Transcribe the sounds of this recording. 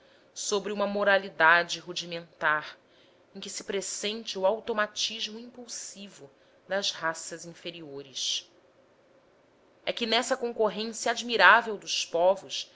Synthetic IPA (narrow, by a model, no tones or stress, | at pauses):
sobɾiũmɐmoɾalid̪ad͡ʒɪɦud͡ʒimẽnt̪aɾ | ẽkɪsɪ̥pɾesẽnt͡ʃɪuawt̪omat͡ʃiʒmʊĩpuwsivʊ | d̪ɐzhasɐzĩfeɾioɾɪʃ | ɛkɪnɛsɐkõŋkoɦẽsjɐad͡ʒmiɾavewd̪ʊʃpɔvʊʃ